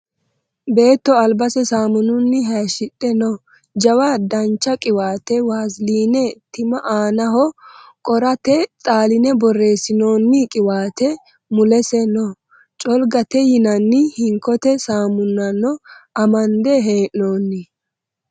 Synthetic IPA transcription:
be̞ːt̪ːɔɐlbɐsɛsaːmʊnʊnːɪɦɛːʃɪtʼːɛnɔ | d͡ʒɐwad̪ɐnt͡ʃːɐkʼɪwaːt̪ɛwaːzliːnɛt̪ɪmɐʔaːnɐɦɔkʼɔɾɐt̪ɛt̪ʼaːlɪnɛbɔre̞ːsɪno̞ːnːɪkʼɪwaːt̪ɛ | mʊlɛsɛnɔ | t͡ʃʼɔlɡɐt̪ɛjɪnɐnːɪhɪŋkːɔt̪ɛsaːmʊnːɐnːɔɐmɐnd̪ɛɦeːʔnoːnːɪ

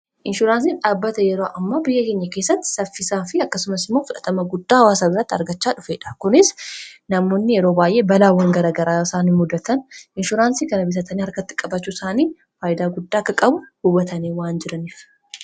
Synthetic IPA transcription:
ʔɪnʃʊɾaːns̬iːnᶑaːbːɐt̪ɐjɛɾoːʔɐmːaːbɪjːɐke̞ːɲːɐke̞ːsːɐt̪ːɪ̥sɐfːɪsaːfɪɐkːɐsʊmɐsɪmːoːfʊᶑɐt̪ɐmɐɡʊd̪ːaːhɐwaːs̬aːbɪrɐt̪ːɐ̰ɾɡɐt͡ʃːaːᶑʊfeːᶑɐ̥kʊnɪsnɐmo̞ːnːɪjɛɾo̞ːbaːjʔe̞ːbɐlaːwːɐŋɡɐɾaːɡɐɾaːɪsaːniːmʊd̪ːɐt̪ɐnʔɪnʃʊɾaːnsiːkɐnɐbɪs̬ɐt̪ɐniːhɐɾkɐt̪ːɪ̥kʼɐbɐt͡ʃːuːsaːniː | faːʔɪd̪aːɡʊd̪ːaːkːɐkʼɐbʊhʊbɐt̪ɐniːwaːnd͡ʒɪɾɐniːf

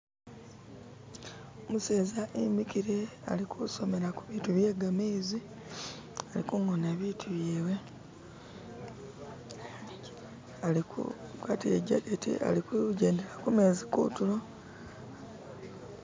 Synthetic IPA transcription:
omuseːzaʔimikiɾea̰likʰuso̞me̞ɾakuβiːtuβje̞ɡameːzi | alikuŋoneβitʰuβjeːwe̞ | alikṵkwatiɾeɟaɡetḭa̰likuɟe̞ːnde̞lakume̞ːzikṵtulo̞

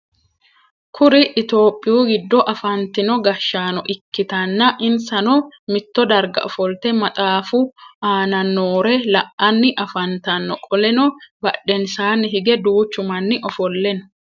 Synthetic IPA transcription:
kʰʊɾɪʔːt̪o̞ːpʼːɪjuːɡɪd̪ːɔʔɐfɐnt̪ɪnɔɡɐʃːaːnɔʔɪkːɪt̪ɐnːɐʔɪnsɐnɔmɪt̪ːɔd̪ɐɾɡɐ̰ʔɔfɔlt̪ɛmɐt̪ʼaːfʊaːnɐnːoːɾɛlɐʔːɐnːɪʔɐfɐnt̪ɐnːɔkʼɔlɛnɔbɐᶑɛnsaːnːɪɦɪɡɛd̪uːt͡ʃːʊmɐnːɪʔɔfɔlːɛn

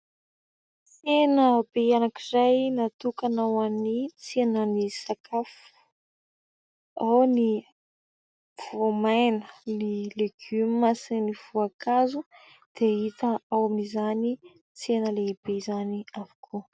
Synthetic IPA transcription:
t͡senəbeanakizajnat̪ukanawanit͡senənisakʰaf | u̥ | awni | v̥omajnənileɡ̥ymmasiniv̥uakazu | d̪̥eit̪əawaminizani | t͡senəleib̥ezaniavukʰuə

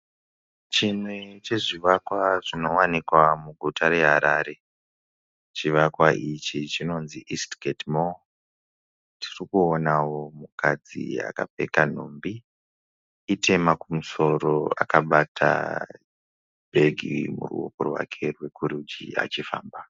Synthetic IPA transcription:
t͡ʃimwet͡ʃe̞ʐiʋakwaʐino̞wanikwamuɡʱutʰaɾe̞ɦaɾaːɾe̞ | t͡ʃiʋakwaʔit͡ʃit͡ʃino̞nziʔistɡʱetmo | tʰirikuonawo̞mukʰad͡zḭa̰ka̰pe̞̰kan̤ombi | itʰe̞makumuso̞ɾo̞a̰kaɓatʰa̰ | bʱe̞ɡʱimṵrṵo̰korwa̰kʰe̞rwe̞kuɾud͡ʒia̰t͡ʃifa̰ːmba

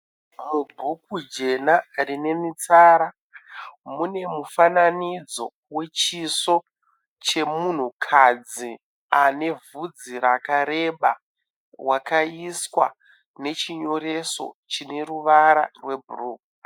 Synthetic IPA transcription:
mubʱukud͡ʒe̞narine̞mit͡saɾa | mune̞mufananid͡zo̞̰ | we̞t͡ʃiso̞ | t͡ʃe̞mun̤ukʰad͡zi | ane̞vud͡ziɾakaɾe̞ɓa | wakaiswa̰ | ne̞t͡ʃiɲo̞ɾe̞so̞̰t͡ʃine̞ɾuʋaɾa̰rwe̞bʱuruːk̚u̥

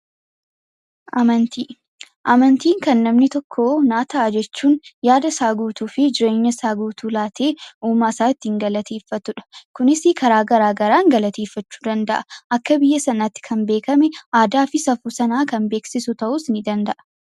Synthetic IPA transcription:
ʔɐmɐnt̪iː | ʔɐmɐnt̪iːŋkɐnːɐmnɪt̪ɔkʰːoːnaːt̪ɐʔɐd͡ʒɛt͡ʃːuːnjaːd̪ɐsaːɡuːt̪uːfɪd͡ʒɪɾe̞ːɲːɐsaːɡuːt̪uːlaːt̪ʰe̞ːʔuːmaːsaːɪt̪ːɪɪŋɡɐlɐt̪ʰeːfːɐt̪ʊᶑɐ̥kʊnɪsɪkɐɾaːɡɐɾaːɡɐɾaːŋɡɐlɐt̪eːfːɐt͡ʃːu̥ːd̪ɐnd̪ɐʔɐʔɐkːɐbɪjːɐsɐnat̪ːɪ̥kʰɐnbe̞ːkɐmɛʔaːd̪aːfɪsɐfuːsɐnaːkɐmbe̞ːksɪsʊt̪ɐʔʊsnɪd̪ɐnd̪ɐʔɐ̥

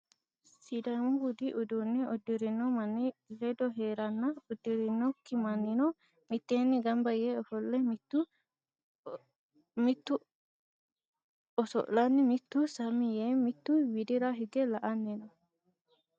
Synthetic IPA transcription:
sid̪amʊɡʊd̪iʔʊd̪uːnːɛɔd̪ːɪɾɪnːɔmɐnːilɛd̪ɔɦeːɾɐnːɐɔd̪ːɪɾɪnːɔkːɪmɐnːɪnɔ | mɪt̪ːeːnːɪɡɐmbɐjeɔfɔlːɛmt̪ːʊ | mɪt̪ːʊ | ɔsɔ̰ʔlɐnːɪmɪt̪ːusɐmɪjeːmɪt̪ːuwɪd̪ɪɾaɦɪɡɛlɐʔɐnːenɔ

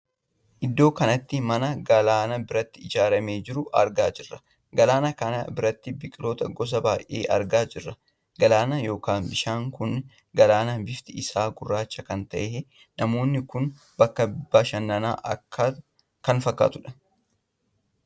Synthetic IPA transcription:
ʔɪd̪ːo̞ːkɐnɐt̪ːɪmɐnɐɡɐlaːnɐbɪɾɐt̪ːɪɪd͡ʒaːɾɐmeːd͡ʒɪɾʊʔɐ̰ɾɡaːd͡ʒɪrːɐ̥ | ɡɐlaːnɐkɐnɐ̰bɪɾɐt̪ːɪbɪkʼɪlo̞ːt̪ɐɡɔs̬ɐbaːjʔḛːʔɐ̰ɾɡaːd͡ʒɪrːɐ | ɡɐlaːnɐjo̞ːkaːnbɪʃaːŋkʊn | ɡɐlaːnɐbɪft̪ɪʔɪsaːɡʊrːaːt͡ʃːɐkɐnt̪ɐʔeː | nɐmo̞ːnːɪkʊn | b̥ɐkːɐbɪbːaːʃɐnːɐna̰ːʔɐkʰːa | kɐnfɐkːa̰ːt̪ʊᶑɐ̥

